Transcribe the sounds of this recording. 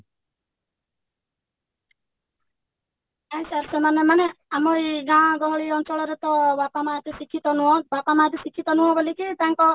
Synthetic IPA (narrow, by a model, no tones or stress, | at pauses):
ãsaɾsemanemaneamojɡãɡ̪ɔɦɔɭiɔnt͡ʃɔɭɔɾet̪ɔbapamat̪usikʰːit̪ɔnuɦɔ̃bapamaːt̪esikʰːit̪ɔnuɦɔ̃bʱolikit̪ãŋkɔ